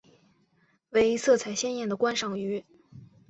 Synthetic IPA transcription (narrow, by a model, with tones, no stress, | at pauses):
we˧˥ɪi˧˥sɤ˥˩t͡sʰa˧˥ɪɕjɛ˥njɛ˥˩nd̪ə˩kwa˥nʂɑ˨˩ŋy˧˥